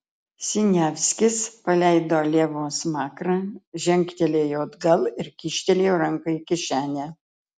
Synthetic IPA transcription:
sʲɪnʲæːʋʲsʲkʲɪspɐlʲɛɪd̪oːlʲeɛʋoːsmɑːkɾɑʒʲɛŋʲkt̪ʲɛlʲeːjoːd̪ɡɐlˠɪɾkʲiːʃʲt̪ʲɛlʲeːjːɾɐŋkɐkʲɪʃʲæːnʲæː

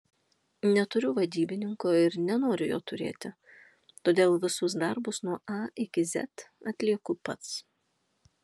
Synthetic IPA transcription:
nʲɛt̪ʊɾʲʊʋɐd̪ʲiːbʲɪnʲɪŋkoːɪɾnʲɛnoːɾʲʊjoːt̪ʊɾʲḛːt̪ʲɪ | t̪oːd̪ʲeːlˠʋʲɪsʊs̬d̪ɑɾbʊsnuɔʔɐɪkʲɪzʲɛ̰t̪ɐt̪ʲlʲiɛkʊpɐt̪s

